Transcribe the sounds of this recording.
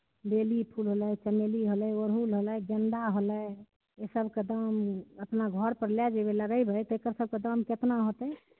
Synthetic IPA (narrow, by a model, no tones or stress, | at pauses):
belipʰulɦoləjt͡ʃəmeliɦoləʋəɾɦulɦoləɡənd̪aɦolə | esəbʱked̪əməpnaɡʱɔɾpəɾljad͡ʒebeləɡəjbʱəjt̪ekəɾsəb̚ʱked̪əmket̪naɦot̪ɛ